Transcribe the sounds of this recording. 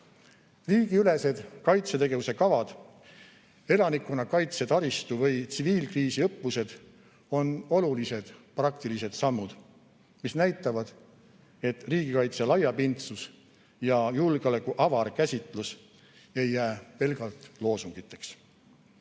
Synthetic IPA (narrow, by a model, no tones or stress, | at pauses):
riːɡ̥iyle̞se̞d̪̥kɑjt̪set̪e̞ɡ̥e̞vuse̞kɑvɑd̪̥ | e̞lɑnikːˑunɑkɑjt̪set̪ɑɾist̪uvɤ̞jt̪siviːlkriːsiɤpːˑuse̞d̪̥ | o̞no̞lulise̞d̪̥prɑk̚t̪ilise̞d̪̥sɑmːud̪̥ | misnæjt̪ːˑɑvɑd̪̥ | e̞t̪riːɡ̥ikɑjt̪selɑjːɑpint̪sus | jɑjulɡeolekˑuʔɑvɑrkæsʲit̪ˑlus | e̞jːæːpe̞lɡ̥ɑlt̪lo̞ːsuŋɡ̥it̪ːˑe̞ks